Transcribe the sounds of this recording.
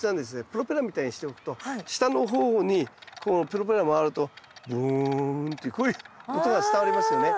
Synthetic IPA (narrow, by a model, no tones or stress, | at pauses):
nãnd̪es̬ɨnepɯ̟ɾo̞peɾamʲit̪aiɲ̟iɕi̥t̪e̞okɯ̥t̪o̞ɕi̥t̪ano̞ɦo̞ːɲ̟ikʰoːpɯ̟ɾo̞p̬e̞ɾamoaɾɯ̟t̪o̞bɯnt̪eikoiɯkot̪oɡat͡sɨ̥t̪aβaɾʲimasɨjo̞ne̞